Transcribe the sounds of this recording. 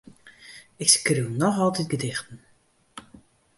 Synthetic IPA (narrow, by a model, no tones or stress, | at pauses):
ɪkskrywnɔxɔlˠtɛtɡədɪxtən̩